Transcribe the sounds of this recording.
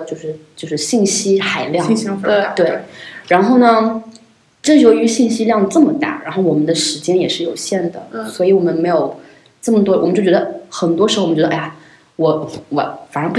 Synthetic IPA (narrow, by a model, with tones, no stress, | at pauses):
t͡ɕjo˥˧ʊʂɻ̩˥˧t͡ɕjo˥˧ʂɻ̩˥˧ɕi˥˩nɕi˥xa˧˩ɪljɑ˥˧ŋ˥t̪we˥˩ɪɻa˧˥nxo˥˩ʊnə˩ | ʈ͡ʂɤ˥˩jo˧˥ʊy˧˥ɕi˥˩nɕi˥ljɑ˥˧ŋʈ͡ʂɤ˥˩mə˩t̪a̰˥˩ɻa̰˧˥nxo˥˩ʊwɔ˨˩mə˦nd̪ə˧ʂɻ̩˧˥t͡ɕjɛ˥njɛ˨˩ʂɻ̩˥˩jo˨˩ʊɕjɛ˥˩nd̪ə̰˩swɔ˧˥i˧˥wɔ˨˩mə˦nme˧˥ɪjo˨˩ʊ | ʈ͡ʂɤ˥˩mə˩t̪wɔ˥wɔ˨˩mə˦t͡ɕo˥˩ʊt͡ɕɥɛ˧˥d̪ə˧xə˨˩nt̪wɔ˥ʂɻ̩˧˥˩t͡ɕɛ˧˥əʔa˧˥˩ | wɔ˨˩wɔ˨˩˦fa˨˩ɻə˥pu˧˥